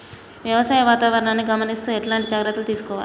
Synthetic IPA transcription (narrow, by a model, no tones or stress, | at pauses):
ʋjɐʋɐsaːjɐʋaːt̪aːʋɐɾɐɳaːnːiɡɐmɐnist̪ueʈlaːɳʈid͡ʒaːɡɾɐt̪ːɐlut̪iːsu̥kɔːʋaːl